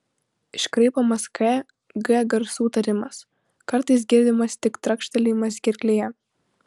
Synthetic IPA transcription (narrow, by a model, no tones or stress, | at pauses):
ɪʃkɾɐɪpɐmɐskɛ | ɡɛɡɐɾsuːt̪ɐɾʲɪmɐs | kɐɾt̪ɐɪs̬ɡʲɪɾʲd̪ʲɪmɐst̪ʲɪkt̪ɾɐkʃʲt̪ʲɛlʲɪmɐs̬ɡʲɪɾʲkʲlʲeːjɛ